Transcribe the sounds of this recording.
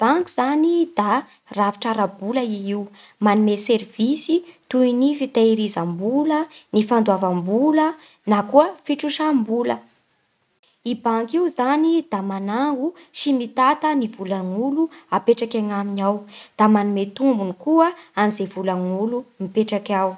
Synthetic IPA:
b̥aŋkiz̥anid̪̥a | ravi̥ʈ͡ʂaɾabuləiiw | manumeseɾvisit̪uinifit̪aiɾizambulənifand̪wavambulə | nakuəfiʈ͡ʂuʃambulə̰ | ibaŋkiuzanid̪̥amanaŋɡu | ʃimit̪at̪ənivulaŋuluapeʈ͡ʂakʲaŋaminawd̪̥amanumet̪umbunikuəanizevulaŋulumipeʈ͡ʂakʲaw

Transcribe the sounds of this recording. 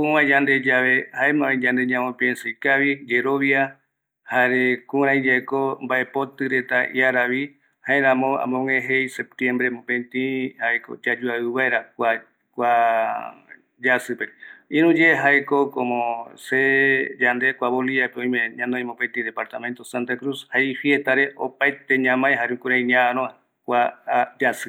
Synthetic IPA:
kuwãd͡ʒand̪e̞d͡ʒaβehaemãed͡ʒãnd̪e̞ɲãmõpiẽnsɨjkaβid͡ʒe̞ɾo̞βja | haɾekũɾ̃ãĩd͡ʒakombaʔe̞po̞t̪ɨɾe̞t̪aʔj̰aɾaβi | haẽɾãmõã̰mõŋẽɦejsep̚t̪jẽmbɾemõpẽnt̪ĩhaeko̰d͡ʒad͡ʒuaɨβaeɾakʷa | kʷa | d͡ʒasɨpeĩɾũd͡ʒeɦaekokõmõsed͡ʒand̪e̞kʷaβoliapeõj̃mẽɲãnõj̃mõpet̪id̪epaɾt̪ament̪osant̪akɾushaifiet̪aɾe̞ʔopaet̪e̞ɲãmãjɦaɾekuɾãĩɲãaɾõã | kʷad͡ʒasɨ

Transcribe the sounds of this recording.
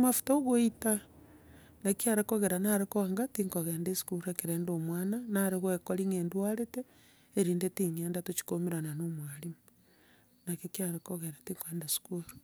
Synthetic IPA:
mafu̥taoɣoita | nakiaɾekoɣeɾanaɾekoaŋɡatiŋkoɣeːndesu̥kuɾekeɾeːndoːmwaːnanaɾeɣwekoɾiŋeːndwaɾeteː | ɾiːndetiŋeːndatot͡ʃi̥komiɾananomwaɾimu | nakokiaɾekoɣeɾatiŋkendasu̥kuɾu̥

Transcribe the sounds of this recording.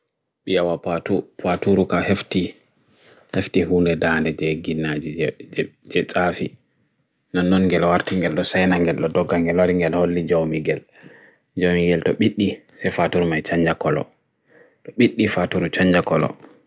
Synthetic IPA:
ɓijawapatupatuɾukahefti | heftihuːndɛdandɛd͡ʒɛɡinːad͡ʒi | d͡ʒɛt͡sʼafi | nanːɔnŋɡɛlwaɾtiŋɡɛlɗɔsajnaŋɡɛlɗɔdɔɡːaŋɡɛlwaɾiŋɡɛlholːid͡ʒawmiɡɛl | d͡ʒawmiɡɛltɔɓiɗːisɛjfatuɾmajt͡ʃaɲd͡ʒakɔlɔ̰ | tɔɓiɗːifatuɾut͡ʃaɲd͡ʒakɔlɔ̰

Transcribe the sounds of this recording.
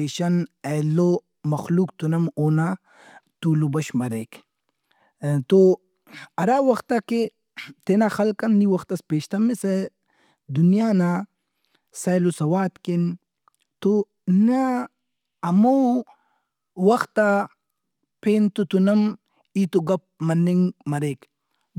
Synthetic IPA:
eːʃɐnelo | mɐxluːk̚t̪unɐmoːna | t̪uːlobɐʃmɐɾeːk | t̪o | ɐɾaːwɐxt̪ake | t̪enaxɐlkɐnːiwɐxt̪ɐspeːʃt̪ɐmese | d̪unjaːna | sajlosɐwaːt̪ken | t̪o | na | ɐmo | wɐxt̪a | pʰeːnt̪ut̪unɐm | iːt̪oɡɐp̚mɐnːiŋɡmɐɾeːk

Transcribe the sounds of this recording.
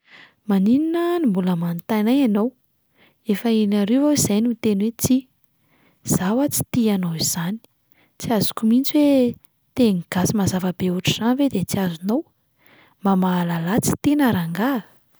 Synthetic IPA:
manininənimbuləmanit̪ajnajanow | efəenaɾevawizajnut̪enwet͡si | z̥awat͡si̥t̪ianoiz̥ani̥ | t͡siazu̥kumint͡siwe | t̪eŋiɡ̥asimazavəbeuʈ͡ʂiz̥anved̪et͡siazunow | mamaːlalat͡si̥t̪enaɾaŋɡa

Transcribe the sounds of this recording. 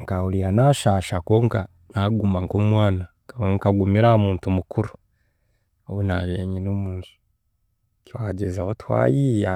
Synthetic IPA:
ŋkaulianaʃaʃakoːŋka | naɡumaŋkomwaːna | kaweŋkaɡumiɾamuːntumukʰuɾu | owenaβeɲinomuːnsu̥ | kiwaɟezahotwa̰jija

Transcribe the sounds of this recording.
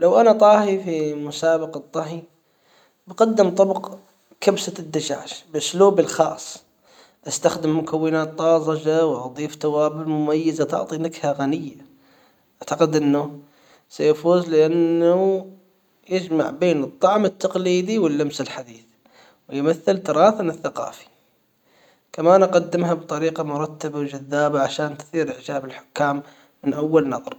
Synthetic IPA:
lawʔanat̪ˤɑːhifimʊsaːbɑqɑt̪ˤːɑɦi | bqad̪ːɪmt̪ˤɑbq | kabsad̪ːad͡ʒa̰ːʃbʔʊsluːbɪlxɑːsˤː | ʔast̪axd̪ɪmːʊkawːɪnaːt̪ˤːɑːzˤɑd͡ʒawʔɑd̪ˤiːft̪awaːbɪlmʊmajːɪzat̪ɑ̰ʕt̪ˤinakhaɣanɪjːa | ʔaʕt̪aqɪd̪ʔɪnːʊ | sajafuːzlɪʔanːa | jɪd͡ʒma̰ʕbeːnɨt̪ˤːɑʕmɪt̪ːɑqliːd̪iwɪlːamsɪlħad̪iːθ | wɪjmaθːɪlt̪ɑɾˤɑːθanɪθːaqɑ̰ːfi̥ | kamaːnʔɑqɑd̪ːɪmɦabt̪ˤɑɾiːqɑmʊɾˤɑt̪ːabawd͡ʒaðːaːbaʕaʃaːnt̪θˤiːɾʔɪʕd͡ʒaːbɪlħʊ̥kːaːmː | ɪnʔawːalnɑðˤɑɾˤ

